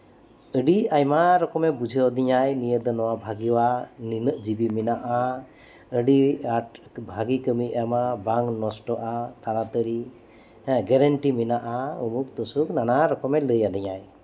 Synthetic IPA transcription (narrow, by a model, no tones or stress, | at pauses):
əɖiajmaɾɔkɔmɛbud͡ʒʱəɔd̪iɲajnijəd̪ɔnɔwabʱaɡiwaninəʔd͡ʒibiminaʔa | əɖiabʱaɡikəmiamabaŋnɔsʈɔʔat̪aɾat̪əɽi | ɡɛɾəɳʈiminaʔaumuk̚t̪ɔsuknanaɾɔkɔmɛləjad̪iɲaj